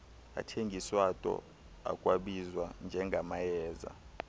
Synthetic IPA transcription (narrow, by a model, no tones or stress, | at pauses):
a̰tʰeŋɡʱiswatʼɔ̰ | a̰kʼwaɓizwand͡ʒʱɛŋɡʱamajɛːza̰